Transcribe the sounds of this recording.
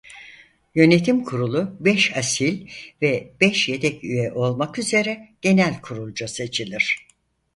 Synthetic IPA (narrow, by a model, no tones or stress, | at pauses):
jø̞ne̞t̪ʰimkʰuɾulˠubɛʃasilʲvɛb̥ɛʃje̞t̪ʰɛcyjɛʔo̞lˠmakyze̞ɾɛɟ̥e̞nælʲkʰuɾulˠd͡ʒase̞t͡ʃʰilʲiɾ̥